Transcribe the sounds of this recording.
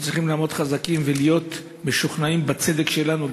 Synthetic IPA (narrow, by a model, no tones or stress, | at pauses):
t͡sʁiχimlaːmo̞t̪χazakimvelijo̞t̪ | meʃuχnaimbat͡se̞d̪ekʃe̞lanu